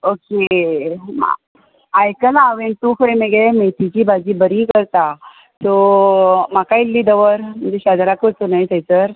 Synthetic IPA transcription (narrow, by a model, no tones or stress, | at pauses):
okḛ | ajkənaʋent̪ufəɾemeɡemet̪it͡ɕiːbʱad͡ʑibəɾikəɾt̪a | t̪o | m̤akailːiːd̪əʋəɾm̤ənd͡zeɕad̪ɾakot̪unait̪ejt͡səɾ